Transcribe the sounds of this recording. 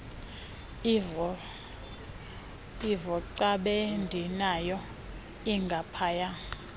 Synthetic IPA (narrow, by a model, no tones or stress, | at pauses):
ivɔǀaɓeɛndʱinajɔ | iŋɡʱapʰaːja